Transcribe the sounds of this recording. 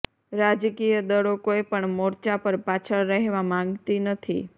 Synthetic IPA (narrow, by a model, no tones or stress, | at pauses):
ɾad͡ʒkijəd̪əɽokoepəɳmɔɾt͡ʃapəɾpat͡ʃʰəɭːəɦeʋamãŋɡt̪inət̪ʰḭ